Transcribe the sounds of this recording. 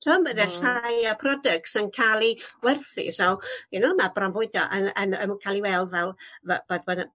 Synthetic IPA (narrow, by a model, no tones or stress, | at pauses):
sɔməðɛɬajapʰrɔdək̚tsənkʰalˠiwɛrθḭsawjɛnɔmabranvʊɨdɔ̰ʔənənə̰mukʰalˠiwɛlˠvɛlˠvb̥adbɔn